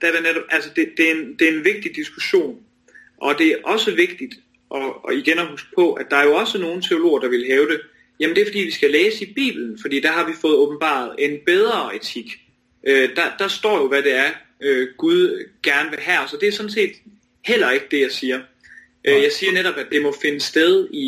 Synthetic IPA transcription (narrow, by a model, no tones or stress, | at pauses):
d̥eæɐɾ̥eneɾ̥ɒ̽b̥ælsəd̥e̝d̥e̝æend̥e̝æenʋe̝ɡ̥̚d̥id̥isɡ̥uɕo̝̰ːn | ʔɒ̽d̥e̝æɐʔɒ̽səʋe̝ɡ̥̚d̥id̥ | ʔɒ̽iɡ̥enɒhusɡ̥ə̥pʰɒ̽ʔæd̥ɑ̈æɐjo̝ɒ̽səno̝ːn̩t͡sʰe̝o̝lo̝̰ːɐd̥ɑ̈ʋe̝lɦɛːʊd̥e̝ | jæməndeæɐfɒ̽dḭːʋisɡ̥æleːsəib̥ḭːb̥l̩n̩fɒd̥ḭːd̥æɦɑ̈ʋifɔ̽ːð̞̩ˠɔ̽ːb̥n̩b̥ɑ̰̈ð̞̩ˠe̝nb̥eð̞ˠʁɐːet͡sʰiɡ̥ | ʔød̥ɑ̈d̥ɑ̈sd̥ɒ̰ːjo̝ʋæd̥e̝æɐ | øɡ̥uðˠɡ̥æɐnəʋe̝ɦæsɒ̽d̥e̝æɐsɒ̽n̩se̝̰ːd̥ | hel̰ɐe̝ɡ̥əd̥e̝jɑ̈ɪsiːɐ | ʔjɑ̈ɪsiːɐneɾɒ̽b̥æd̥e̝mɒ̽fe̝nəsd̥eð̞ˠi